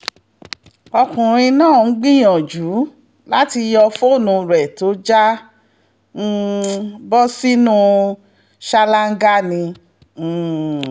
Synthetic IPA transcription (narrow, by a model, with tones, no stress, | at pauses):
ɔ˧kũ˨ɾ̃ĩ˧nãː˦˨˦ɡ͡bĩ˦j̃ɔ̃˨d͡ʒu˨˦ | la˦ti˧jɔ˧fo˦˨nũ˨˧ɾɛ˨to˨˦d͡ʒa˦ | n̩˧bɔ˦si˦nũ˦ | ʃa˧la˦ŋ̩˦ɡa˦nĩ˧˦˨